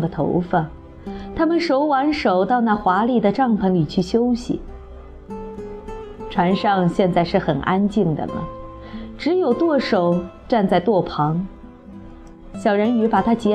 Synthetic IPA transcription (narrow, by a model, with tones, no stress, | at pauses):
d̪ə˩t̪ʰo̰˧˥ʊfə˥˩n | t̪ʰa˥mə˨nʂo˧˥ʊwa˧˥nʂo˨˩ʊt̪ɑ˥˧ʊna˥˩xwa˧˥li˨˩d̪ə˩ʈ͡ʂɑ˥˩ŋpʰə˧˥ŋli˨˩t͡ɕʰy˥˩ɕjo˥ʊɕḭ˨˩ | ʈ͡ʂʰwa˧˥nʂɑ˥˧ŋɕjɛ˥˧nt͡sa˥˧ɪʂɻ̩˥˩xə˨˩nʔa˥nt͡ɕi˥˩ŋd̪ə̰˨nə̰˩ | ʈ͡ʂɻ̩˧˥jo˨˩ʊt̪wɔ˥˩ʂo˨˩ʊ | ʈ͡ʂa˥˧nt͡sa˥˧ɪt̪wɔ˥˩pʰɑ˧˥ŋ | ɕjɑ˨˩ʊɻə˧˥ny˧˥pa˨˩t̪ʰa˥t͡ɕjɛ˧˥